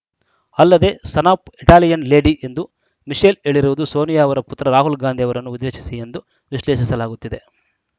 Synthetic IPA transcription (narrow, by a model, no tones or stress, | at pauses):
ɐlːɐd̪e̞ːsɐnaːpiʈaːlijɐnle̞ːɖiʔe̞nd̪u | miʂeːleːɭiɾuʋud̪uso̞ːnijaɐʋɐɾɐput̪ːɾɐɾaːɦulɡaːnd̪ijɐʋɐɾɐnːuud̪ːeːʃi̥sie̞nd̪u | ʋiʃleːʃisɐlaːɡut̪ːid̪e̞